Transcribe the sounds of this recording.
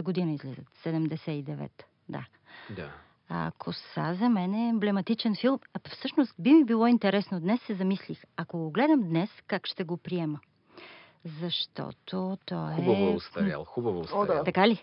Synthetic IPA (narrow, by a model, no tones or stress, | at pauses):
əɡod̪inəizlizə̰t̪sɛd̪ɛmd̪ɛsɛid̪ɛvɛ̰t̪ | d̪a̰ | d̪a | a̰kʰosa̰zɐmɛnɛːmblɛmɐt̪it͡ʃɛnfilˠmfsɤʃnost̪bimibilˠɔint̪ɛɾɛsnod̪nɛsːɛzɐmislixɐkoɡoɡlɛd̪əmd̪nɛskakʃt̪ɛɡopɾiɛmə | zɐʃt̪ɔ̰t̪ʰot̪ɔɛvst̪ɐa̰lˠxubɐvost̪ɐkali